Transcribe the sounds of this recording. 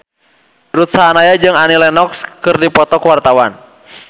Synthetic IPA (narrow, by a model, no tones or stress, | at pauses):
ɾut̪̚saɦanajad͡ʒɨŋanilɛnɔkskɨrdipɔt̪ɔkwart̪awan